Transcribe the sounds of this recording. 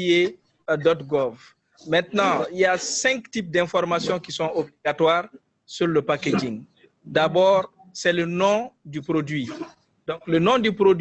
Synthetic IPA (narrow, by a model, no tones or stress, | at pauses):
je | dɔtɡɔv | mɛ̃ntnɑ̃ijasɛ̃ŋktip̚dɛ̃fɔɾmasjɔ̃kisɔ̃ʔobliɡatwaːɾ | suɾləpaked͡ʒĩŋɡ | dabɔːɾ | sɛlənɔ̃dypɾodɥi | dɔ̃ŋklənɔ̃dypɾod